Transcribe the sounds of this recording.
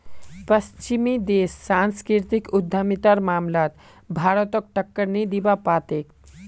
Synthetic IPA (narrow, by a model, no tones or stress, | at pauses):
pəst͡ʃimid̪eːsːanskɾiɾt̪ikud̪ʱːəmit̪aɾmaːmlaːt̪ | bʱaːɾət̪ɔk̚ʈəkːəɾnɛd̪ibapaːt̪ek